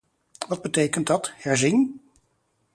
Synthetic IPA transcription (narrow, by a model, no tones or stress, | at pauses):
ʋɑd̚bətejkənt̚dɑthɛɹzɪn